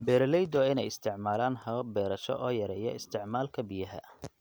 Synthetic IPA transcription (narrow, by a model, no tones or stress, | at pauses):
bɛːɾɐlɛjd̪ɔɪnɛjɪst̪ʰɪʕmaːlaːnhɐbɛːɾɐʃɔ̰ʔɔːjɐɾɛjɐɪst̪ʰɪʕmaːlkʰɐbɪjɐɦɐ̰